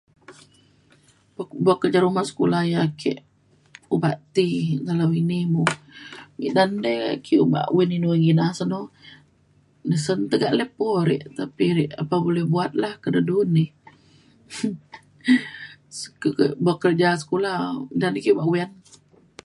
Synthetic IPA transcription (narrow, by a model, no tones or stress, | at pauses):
bbuaʔkːərd͡ʒaɾumahsə̥kulahjakʰɛ̰ʔ | ubaʔt̪iɡalawinimumḭʔdandə̰kʰiuba̰ʔwininuwɛŋɡinasəno | nəsənt̪əɡaʔlepɔɾɛ̰ʔt̪apiɾɛʔapabolɛhbuat̪̚lahkədədunːih | sə̥kəʔbuakːəɾd͡ʒasə̥kolahdandɛkiubaʔwɛn